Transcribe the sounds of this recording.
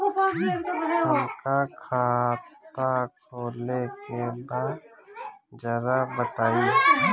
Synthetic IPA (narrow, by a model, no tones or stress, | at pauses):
əɾkakʰaːt̪akʰoːlekebaːd̪ | d͡ʒəɾabət̪aːi